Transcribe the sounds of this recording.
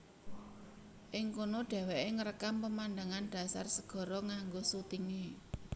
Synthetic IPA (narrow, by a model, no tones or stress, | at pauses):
ʔɪŋkonoɖ̪̥ɛ̤wɛʔeŋəɾəkampəmand̪aŋanɖ̥a̤sa̰rsəɡ̥ɔ̤ɾɔŋaŋɡosut̪iŋe